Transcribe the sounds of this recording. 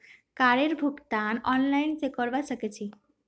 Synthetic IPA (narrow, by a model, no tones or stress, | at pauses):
kaɾeɾbʱukt̪anɔnlajnsekɔɾbasəket͡ʃʰi